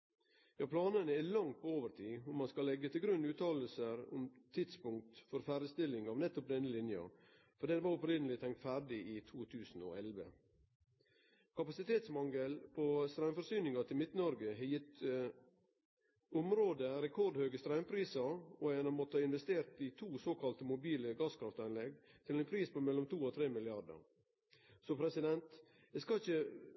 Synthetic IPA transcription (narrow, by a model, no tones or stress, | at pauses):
jɑːpʰlɑːnənəɛlɑŋt̪̚pʰooːʋəɾʈʰiːʊmɑnskɑlɛɡət̪ʰɪlɡɾʉnːʉːt̪ʰɑːləl̩səɾʊ̰mt̪ʰɪd̪spʊŋk̚t̪fɔɾfæːɾəst̪ɪlːɪŋɑːʋnɛt̪ːɔp̚d̪ɛnːəlɪnjɑ̰ | fɔɖeːd̪ɛʋɑɾʊpɾɪnəlɪt̪ʰɛŋkt̪fæːɖɪʔɪt̪ʰuːt̪ʰʉːsn̩o̰ːɛlʋə̰ | kʰɑpɑsɪt̪ʰeːt̪smɑŋəlpʰost̪ɾœmfɔɾsyːnɪŋɑt̪ʰɪlmɪt̪nəɔɾɡəɦɛjɪt̪ː | ɔmɾoːd̪əɾɛkʰɔɾɖhøːɡəst̪ɾæʉmpʰɾiːsɑɔɛnɑmɔt̪ːəɑɪnʋɛst̪eːɾt̪ɪt̪ʰuːsoːkʰɑlt̪əmʊbiːləɡɑːskʰɾɑft̪ɑɪnlɛɡt̪ʰɪlɛɪnpʰɾiːspɔmɛlːɔmt̪uːɔt̪ʰɾeːmɪlɪɑdə̰ɾ | sɔpʰɾɛsɪd̪ɛnt̪ | d̪ɛskɑɪçə